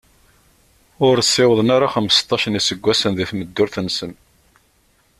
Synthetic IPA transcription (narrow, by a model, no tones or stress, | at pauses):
ʊɾsːɪwəðˤnaɾˤaχəməst̪ˤːɑʃənisəɡʷːæsənðiθməd̪ːʊɾθənsəm